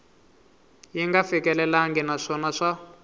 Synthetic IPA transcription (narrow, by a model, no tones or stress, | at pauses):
jiŋɡafikɛlɛlaŋɡɛnaʂɔnaʂa